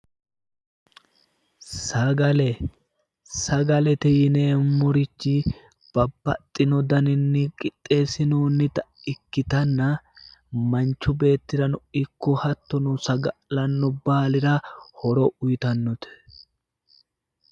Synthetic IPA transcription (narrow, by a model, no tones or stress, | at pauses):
sɐɡɐlɛ | sɐɡɐlɛt̪ɛjɪneːmʊɾɪt͡ʃːɪ | b̥ɐbːɐ̰t̪ʼːɪnɔd̪ɐnɪnːɪkʼɪt̪ʼːe̞ːsɪnoːnːɪt̪ɐ | ɪkːɪt̪ɐnːɐ | mɐnt͡ʃːʊbe̞ːt̪ːɪɾɐnɔɪkːɔhɐt̪ːɔnʊsɐɡɐʔlɐnːɔbaːlɪɾɐhɔɾɔʔʊjt̪ɐnːɔt̪ɛ̥